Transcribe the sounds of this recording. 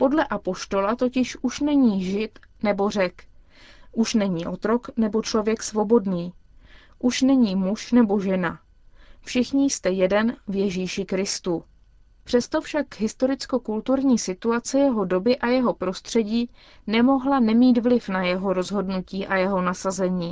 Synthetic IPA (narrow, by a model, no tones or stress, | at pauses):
po̞dlɛʔapo̞ʃt̪o̞lat̪o̞cɪʃʔuʃnɛɲiːʒɪt̪ | nɛbo̞r̝ɛk | ʔuʃnɛɲiːʔo̞t̪ɾo̞knɛbo̞t͡ʃlo̞vjɛksvo̞bo̞dniː | ʔuʃnɛɲiːmuʃnɛbo̞ʒɛna | fʃɪxɲɪst̪ɛjɛdɛnvjɛʒiːʃɪkɾɪst̪u | pr̝̥ɛst̪o̞fʃakɦɪst̪o̞ɾɪt͡sko̞kult̪uɾɲiːsɪt̪uat͡sɛjɛɦo̞do̞bɪʔajɛɦo̞pɾo̞st̪r̝̥ɛɟiː | nɛmo̞ɦlanɛmiːt̪vlɪfnajɛɦo̞ɾo̞zɦo̞dnuciːʔajɛɦo̞nasazɛɲiː